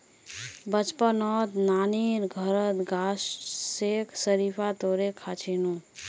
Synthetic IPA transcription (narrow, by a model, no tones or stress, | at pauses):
bət͡ʃpənɔt̪naniɾɡʱəɾət̪ɡasːekʰsəɾipʰat̪oɾekʰat͡ʃʰinu